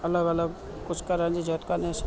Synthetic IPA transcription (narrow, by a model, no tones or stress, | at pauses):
ɐləɡələɡ | kʊt͡ʃʰkɐɾand͡ʒid͡ʒɔt̪kanes